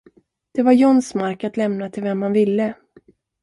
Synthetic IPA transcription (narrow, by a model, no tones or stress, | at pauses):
d̪̥ɛvaɾjɔnsmaɾkat̪lɛmnat̪ʰɪlvɛmhanvɪlːə